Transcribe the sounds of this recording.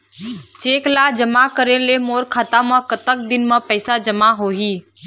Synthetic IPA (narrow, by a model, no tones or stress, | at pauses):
t͡ʃeːklaːd͡ʒəmakəɾẽlemoːɾkʰaːt̪amə̃kət̪ək̚d̪ɪnmə̃pɛːsad͡ʒəmaɦoːɦiː